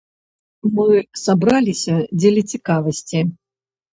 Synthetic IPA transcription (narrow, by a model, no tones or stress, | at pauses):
mɨsabɾalʲisʲɐd͡zʲelʲit͡sʲikavɐsʲt͡sʲi